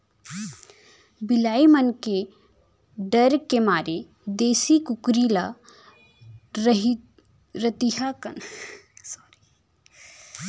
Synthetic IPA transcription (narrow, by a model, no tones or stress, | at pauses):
bɪlaːimənke | ɖəɾkemaːɾe | d̪eːsikukɾila | ɦ | ɾət̪iɦakən